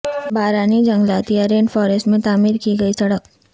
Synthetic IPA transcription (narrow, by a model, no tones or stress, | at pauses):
bʱaːɾaːnid͡ʒɐ̃ŋɡlaːt̪iaɾeːɳɖfɔːɾesʈmẽt̪aːmiːɾkiɡɐisɐɽək